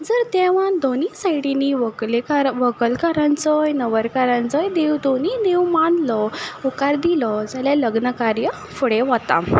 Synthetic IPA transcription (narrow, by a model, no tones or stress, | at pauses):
d͡zəɾt̪ɛʋãd̪onisaiɽiniʋəlekaɾʋəkəlkaɾãnt͡səjnəʋəɾkaɾãnt͡səjd̪ewd̪oninewmanlɔukaɾd̪ilɔd͡zaljaləɡnəkaɾjə | fuɽeʋət̪a̰